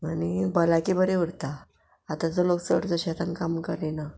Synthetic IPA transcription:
anibəlakibəɾeʋuɽt̪aː | t̪ad͡zoloksə̰ɽt͡səɕat̪ankamkəɾena

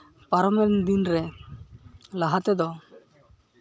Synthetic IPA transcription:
paɾɔmɛnd̪inɾɛ | laɦat̪ɛd̪ɔ

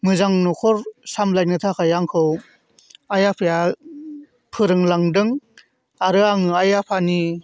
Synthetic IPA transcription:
mɯzaŋnɔkʰɔɾsamlajnɯtʰakʰajaŋkʰɯw | ajapʰɯja | pʰɯɾɯŋlaŋdɯŋ | aɾɯaŋɯajapʰani

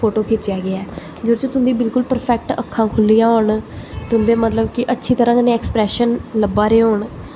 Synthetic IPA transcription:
pʰoːʈoːkʰeːt͡ʃɪjaːɡɪaː | d͡ʒoɾt͡ʃoːt̪ʊ̃nd̪iːbɪlkʊlpəɾpʰɛːk̚ʈə̰kʰːãːkʰʊlːijãːɦoːɳt̪ʊnd̪eːmət̪ləbkɪʔətːʃʰiːt̪əɾãːkənẽɛːkspɾɛːʃənləbːaːɾeːɦoːɳ

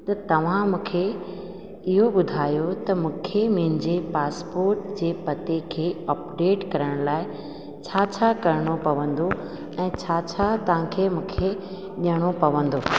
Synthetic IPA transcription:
t̪ɐt̪ɐʋ̤ãmũːkʰe | ɪɦoɓʊd̪ʱaːjot̪ɐmũːkʰemiɦɪn̆d͡ʑepaːspoːɾʈd͡ʑeːpɐt̪ekʰeːɐːpɖeːʈkɐɾəɽ̃laːɪ | t͡ɕʰaːt͡ɕʰakɐɾɽ̃opɐʋə̃n̆d̪o | ɛ̃ːt͡ɕʰat͡ɕʰat̪ɐʋ̤ãkʰeːmũːkʰe | ɗiəɽ̃opɐʋə̃nd̪oː

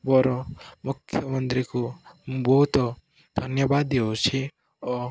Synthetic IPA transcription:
bɔɾɔmʊkʰːjəmənt̪ɾikobɔɦut̪ | d̪̥ʱənjəbad̪eot͡ʃʰi | ɔ

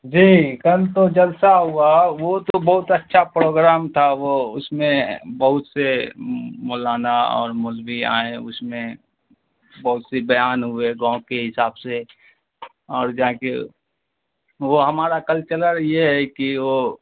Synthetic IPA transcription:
d͡ʒiːkɐlt̪od͡ʒəlsaɦʊaʋot̪obɐɦʊt̪ətːʃʰapɾoːɡɾaːmt̪ʰaʋoʊsmẽbəɦʊt̪se | mɔːlaːnaɔ̰ːɾmʊlbia̰ːẽʊsmẽ | bɐɦʊt̪sebəjaːnɦʊeɡãːkeɦɪsaːbse | ɔːɾd͡ʒãke | ʋoɦɐmaːɾakəlt͡ʃələɾjeɦɛkiʋo

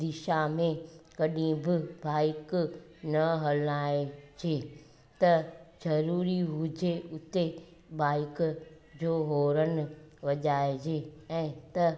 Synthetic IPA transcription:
d̪ɪʃamẽkɐɗĩbɪbaːɪknɐɦɐlaːed͡ʑeː | t̪ɐzɐɾuːɾiɦʊd͡ʑeʊt̪e | baːɪk | d͡ʑoːɦoːɾənɪ̆ʋɐʄaːed͡ʑeːɛ̃ːt̪ɐ

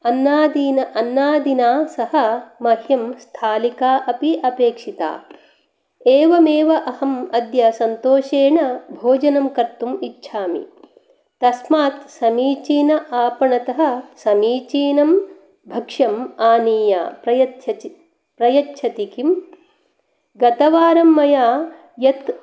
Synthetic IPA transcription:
ɐnːaːd̪iːnɐʔɐnːaːd̪inaːsɐhɐ̆mɐhjɐmst̪ʰaːlikaːʔɐpiʔɐpeːkʂit̪a̰ː | eːʋɐmeːʋɐʔɐhɐmɐd̪jɐsɐnt̪oːʃeːɳɐbʱoːd͡ʒɐnɐmkɐɾt̪umitːʃʰaːmḭ | t̪ɐsmaːt̪sɐmiːt͡ʃiːnɐʔaːpɐɳɐt̪ɐɦɐ̆sɐmiːt͡ʃiːnɐm | bʱɐkʂɐmaːniːja̰ːpɾɐjɐ | pɾɐjɐtːʃʰɐt̪ikim | ɡɐt̪ɐʋaːɾɐmːɐjaː | jɐt̪

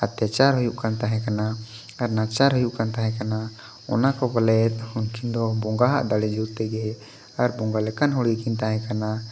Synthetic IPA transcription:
at̪jat͡ʃaɾɦɔjuʔkant̪aɦɛ̃kana | aɾnat͡ʃaɾɦɔjuʔkant̪aɦɛ̃kana | ɔ̰nakɔbɔlɛt̪hunkind̪ɔbɔŋɡaɦa̰ʔd̪aɽɛd͡ʒud̪t̪ɛɡɛ | aɾbɔŋɡalɛkanɦɔɽikint̪aɦɛ̃kana

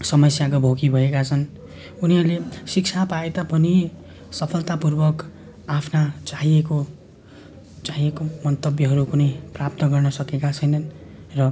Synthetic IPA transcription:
sʌmʌsjakobʱokibʱʌekat͡sʰʌn | uniɦʌɾlesik̚t͡sʰapaet̪apʌni | sʌpʰʌlt̪apurbʌk | apʰnat͡saɦieko | t͡saɦiekomʌnt̪ʌbjʌɦʌɾukunʌjprap̚t̪ʌɡʌrnʌsʌkekat͡sʰʌjnʌnrʌ

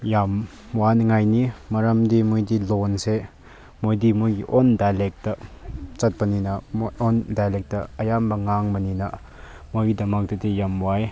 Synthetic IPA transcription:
jam | wanŋajnimɐɾɐmdimujdilɔnse | mojdimujɡiʔɔndajlek̚tɐt͡sɐt̚pɐninɐmʔɔndajlek̚tɐɐjambɐŋaŋbɐninɐ | mojidɐmɐk̚dɐtijamwaj

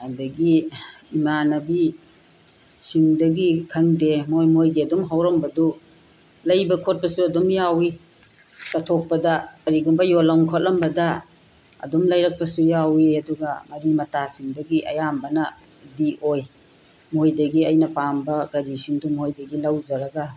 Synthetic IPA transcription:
adɐɡi | imanɐbi | siŋdɐɡikʰɐŋdemojmojɡiɐdumɦawɾɐmbɐdu | lɐjbɐkʰot̚pɐsuɐdumjawi | sɐtʰok̚pɐdɐkɐɾiɡumbɐjolawŋkʰot̚lɐmbɐdɐ | ɐ̰dumlajɾɐk̚pɐsujawiɐduɡɐmɐɾimɐtasiŋdɐɡiʔɐ̰jambɐnɐ | diʔoj | mojdɐɡiɐjnɐpambɐɡɐdisiŋdumojdɐɡilɐwzɐɾɐɡɐ

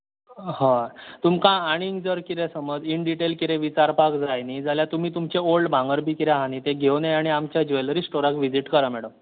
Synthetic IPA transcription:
ɦət̪umkãːɽ̃iːŋɡd͡zəɾkiɾẽsəməd͡ziɳɖiʈelkiɾeʋit͡ɕaɾpakd͡zajnid͡zʱaljat̪um̤iːt̪umt͡ɕeolɖbʱãŋɡəɾbʱiːkiɾeɦanit̪eɡʱewneaɽ̃iamt͡ɕjad͡ʑelɾisʈoɾakʋid͡ziʈkəɾamɛɽəm

